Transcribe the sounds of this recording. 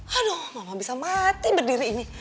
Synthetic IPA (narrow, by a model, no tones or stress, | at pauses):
adomamabisamat̪ibərdiɾiːni